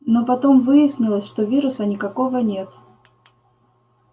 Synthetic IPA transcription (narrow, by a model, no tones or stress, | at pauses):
nopɐt̪o̞mvɨjɪsʲnʲɪlˠəsʲʂt̪ovʲiɾʊsənʲɪkɐko̞vənʲe̞t̪